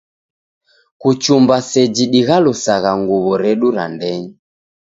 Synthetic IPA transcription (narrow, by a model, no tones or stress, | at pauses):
kut͡ʃumbasɛd͡ʒiɗiɣalusaɣaŋɡuβɔɾɛɗuɾa̰ndɛɲi